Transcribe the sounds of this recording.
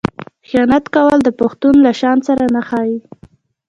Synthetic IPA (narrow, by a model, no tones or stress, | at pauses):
xjɑnat̪kawəld̪əpʊxt̪unlaʃɑnsaɾanaxɑji